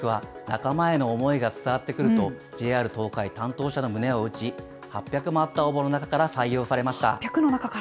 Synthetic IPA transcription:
kɯβa | na̰kamae̞no̞ːmo̞iɡat͡sɨ̥t̪aɡat̪ːe̞kɯ̟ɾɯ̟t̪o̞ | d͡ʑe̞ːaːɾɯ̟t̪o̞ːkait̪ãnt̪o̞ːɕano̞mɯ̟ne̞o̞ɯ̟t͡ɕi | hapʲjakɯ̟maːt̪ːaobono̞nakakaɾasaijo̞ːsaɾe̞maɕi̥t̪a̰akɯ̟nonakaka

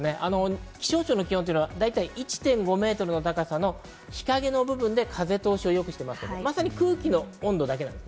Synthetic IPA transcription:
ne̞ʔano̞kʲi̥ɕo̞ːt͡ɕoːno̞kʲihõt̪oi̟nad̪ait̪aiʔit͡ɕi̥t̪ẽ̞ŋɡo̞me̞ːt̪o̞ɾɯ̟no̞t̪akasano̞ | çi̥kaɡe̞no̞bɯ̟bɯ̟̃nd̪e̞kʰaze̞t̪o̞ːɕio̞jo̞kɯ̟ɕi̥t̪e̞masɨ̥ked̪omasaɲ̟ikɯ̟ːkʲino̞õnd̪o̞d̪akeãnd̪

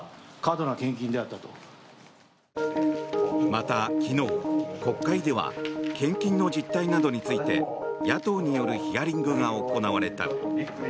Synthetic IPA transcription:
kad̪o̞nakẽ̞ŋk̬ʲĩnd̪e̞at̪ːat̪o | mat̪akʲino̞ːko̞kːaid̪e̞βa̰kẽ̞ŋkʲĩnːo̞d͡ʑit̪ːainad̪o̞ɲ̟it͡sɨit̪e̞jat̪o̞ːɲ̟ijo̞ɾɯ̟çijaɾʲĩŋɡɯ̟ɡao̞ko̞naβaɾe̞t̪a̰

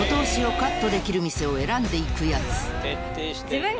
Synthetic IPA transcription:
ot̪o̞ːɕio̞kat̪ːo̞d̪e̞kʲiɾɯ̟mʲise̞o̞e̞ɾãnd̪e̞ikɯjat͡sɨ̥ | iɯ̃

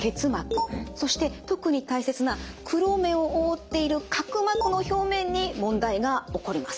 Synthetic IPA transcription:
ɡe̞t͡sɨmakɯ̟̥so̞ɕi̥t̪e̞t̪o̞kɯ̟ɲ̟it̪aise̞t͡sɨnakʰɯ̟ɾo̞ːmẽ̞ɰ̃o̞ʔoːt̪ːe̞iɾɯ̟kʰakɯ̟makɯ̟no̞ço̞ːmẽ̞ɲ̟ːimõ̞nd̪aiɡao̞ko̞ɾʲimasɨ̥

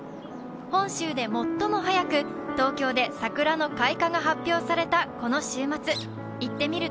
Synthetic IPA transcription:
hõ̞ɰ̃ɕɨːd̪e̞mo̞t̪ːo̞mo̞ɦajakɯ̟t̪o̞ːkʲo̞ːd̪e̞sakɯ̟ɾano̞kaikaɡaɦapʲːjo̞ːsaɾe̞t̪ako̞no̞ɕɨːmat͡sɨ | it̪ːe̞mʲiɾɯ̟

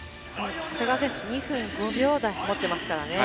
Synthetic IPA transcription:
õkaseɡaasẽɰ̃soɲ̟iɸɯ̟̃nɡɯ̟̃mbʲjo̞ːd̪aimo̞t̪ːe̞masɨ̥kaɾa̰ne̞

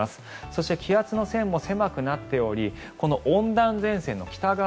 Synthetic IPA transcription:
asɨ̥so̞ɕi̥t̪e̞kʲʰijat͡sɨno̞sẽ̞mːo̞se̞makɯ̟nat̪ːe̞o̞ɾʲi | ko̞no̞ʔõnd̪ãnd͡zẽ̞sẽ̞nːo̞kʲi̥t̪aɡa

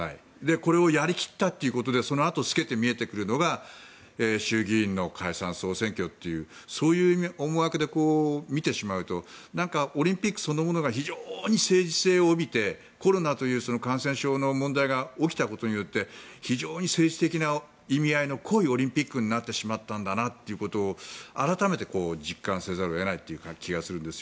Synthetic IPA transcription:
ha̰ḭ | d̪e̞ko̞ɾe̞o̞jaɾʲikʲi̥t̪ːat̪ːeiɯ̟ko̞t̪o̞d̪e̞so̞no̞at̪o̞sɨ̥ke̞t̪e̞mʲie̞t̪e̞kɯ̟ɾɯ̟no̞ɡa | eːɕɨːɡʲĩːnːo̞kʰaisã̰ɰ̃so̞ːsẽ̞ŋkʲo̞t̪ːe̞jɯ̟ː | so̞ːjɯːomoɡakɯ̟d̪e̞ko̞ːmʲit̪e̞ɕimaɯ̟t̪o̞nãŋkaoɾʲĩmpʲikːɯ̟̥so̞nːomo̞no̞ɡaçiʑoːɲ̟ise̞ːd͡ʑise̞ːooːbʲit̪e̞ | ko̞ɾo̞nat̪o̞jɯ̟ːso̞no̞kãɰ̃sẽ̞ɰ̃ɕo̞ːno̞mõ̞nd̪aiɡaokʲi̥t̪ako̞t̪o̞ɲ̟ijo̞t̪ːe̞çiʑo̞ːɲ̟ise̞ːʑi̥t̪e̞kʲina | imʲiaino̞kʰo̞io̞ɾʲĩmpʲikːɯ̟ɲ̟inat̪ːe̞ɕimat̪ːãnd̪anat̪ːe̞iɯ̟ko̞t̪o̞ːaɾat̪ame̞t̪e̞ko̞ːd͡ʑikːãɰ̃se̞ːzaɾoe̞nait̪ːe̞jɯkakʲiɡasɨɾɯ̟nd̪e̞sɨjo

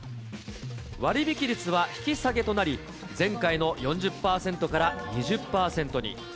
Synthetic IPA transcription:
βaɾʲibʲikʲiɾʲit͡sɨβaçi̥kʲisaɡe̞t̪o̞naɾʲi | d͡zẽ̞ŋkaino̞jõ̞ɲ̟d͡ʑɨpːaːsẽ̞nt̪o̞kaɾaɲiʑɨpːaːsẽ̞nt̪o̞ɲḭ

